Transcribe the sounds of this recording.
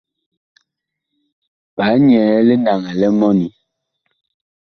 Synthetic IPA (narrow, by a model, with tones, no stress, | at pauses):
pa˨˦ɲɛ˨˦le˦na˨ŋɛ˨lɛ˦mɔ˦ni˨